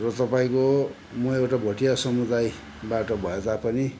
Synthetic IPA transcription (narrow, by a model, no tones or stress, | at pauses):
rʌt̪ʌpaĩko | mʌewʈabʱʌʈijasʌmud̪aj | baʈʌbʱʌed̪apʌni